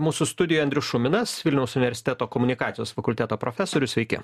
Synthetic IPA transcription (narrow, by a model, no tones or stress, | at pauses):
muːsʊst̪ʊd̪ʲɪjojɐnd̪ʲɾʲʊsʃʊmʲɪnɐsʋʲɪlʲnʲɛʊsʊnʲɪʋʲɛɾʲsʲɪ̥t̪ʲæːt̪oːkɔmʊnʲɪkɑːt̪sʲɪjoːsfɐkʊlʲt̪ʲæːt̪oːpɾofʲɛsoːɾʲʊsʲʋʲɛɪkʲɪ̰